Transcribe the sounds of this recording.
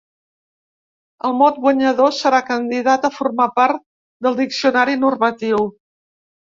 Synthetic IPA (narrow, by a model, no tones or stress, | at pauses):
əlˠmɔt̪̚bwəɲəðosəɾakənd̪iðat̪əfurmapaɾt̪ | d̪əlˠd̪iksiunaɾinurmət̪iw